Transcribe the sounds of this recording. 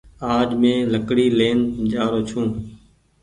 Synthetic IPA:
aːʄmẽːləkɽiːleːnd͡ʒaːɾoːt͡ʃʰũː

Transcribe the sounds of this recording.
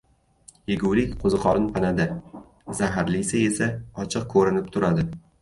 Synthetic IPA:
jeɡʲuwlɪkʲqʰozɨqʰɒɾɪnpʰanad̪ɪ | zaɦaɾlɪsɪe̞saɒt͡ʃʰɨq̚kʰɵɾɪnɪp̚t̪ʰʊɾad̪ɪ

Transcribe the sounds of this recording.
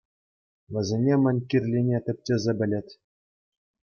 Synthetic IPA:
ʋʲɘ̆zʲenʲemʲɘ̆nʲkʲirʲlʲinʲet̪ʲɘ̆p̚ʲtʲɘ̆zʲebʲɘ̆lʲĕtʲ

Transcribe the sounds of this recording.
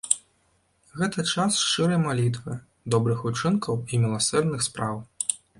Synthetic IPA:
ɣɛt̪ɐt͡ʂasʂt͡ʂɨɾɐjmalʲit̪̬vɨ | d̪ɔbɾɨxut͡ʂɨnkɐwimʲilˠasɛrnɨxspɾaw

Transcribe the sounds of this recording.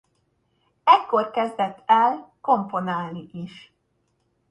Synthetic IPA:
ɛkːo̞rkɛzd̪ɛt̪ʰːɛlko̞mpo̞naːlniʔiʃ

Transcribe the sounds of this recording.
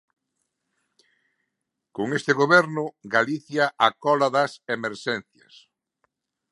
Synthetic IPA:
koŋest̪ɪɣoβɛɾnʊɡaliθjaʔakɔlaðɐsemeɾʃɛnθjɐ̰s

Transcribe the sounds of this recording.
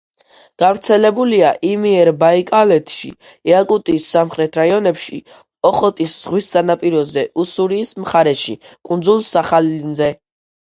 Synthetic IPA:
ɡ̥avɾt̪sʰɛlɛbuliaʔimiɛɾbaikʼalɛt̪ʰʃḭ | ɛakʼut̪ʼiːsːamχɾɛt̪ʰɾaiɔnɛpʃḭ | ɔχɔt̪ʼisz̥ʁwisːanapʼiɾɔzɛʔusuɾiːsmχaɾɛʃikʼund̪zulˠsaχalnzɛ

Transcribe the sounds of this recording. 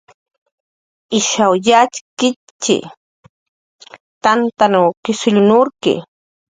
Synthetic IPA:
ɪʃawʎat͡ʃkɪ | t͡ʃɪ̰ | t̪ant̪anawkɪsʊʎʊnʊɾkɪ̰

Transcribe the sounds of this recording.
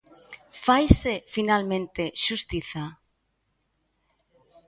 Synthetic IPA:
fajsefinalmẽnt̪eʃust̪iθa

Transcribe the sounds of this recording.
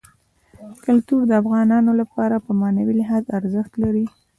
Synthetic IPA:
kalt̪uɾd̪əafɣɑnɑnolapɑɾapəmɑnawilɪɦɑzaɾzəxt̪laɾi

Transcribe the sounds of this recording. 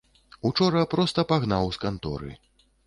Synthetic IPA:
ut͡ʂɔɾɐpɾɔst̪ɐpaɣnawskant̪ɔ̰ɾɨ̰

